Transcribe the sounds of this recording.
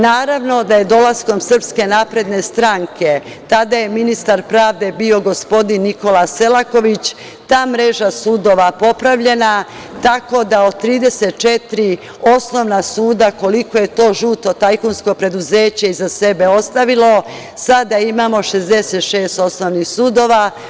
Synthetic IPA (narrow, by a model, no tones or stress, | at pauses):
naːɾaʋno̞d̪aje̞d̪o̞lasko̞msr̩pske̞naːpɾe̞d̪ne̞st̪ɾaŋkʰe̞ | t̪ad̪aje̞minist̪aɾpɾaːʋd̪e̞bio̞ɡo̞spo̞d̪inːiko̞lase̞lˠako̞ʋit͡ɕ | t̪aːmɾe̞ʒasuːd̪o̞ʋapo̞pɾaʋʎe̞na | t̪ako̞d̪aod̪̚t̪ːɾiːd̪e̞set̪t͡ʃet̪ɾi | o̞sno̞ʋnasuːd̪ako̞liko̞je̞t̪o̞ːʒuːt̪o̞t̪ajkunsko̞pɾe̞d̪uzeːt͡ɕeizase̞be̞o̞st̪aʋilo̞ | sad̪aimamo̞ʃe̞zd̪eset̪ʃe̞ːst̪o̞snoʋnixsuːd̪o̞ːʋa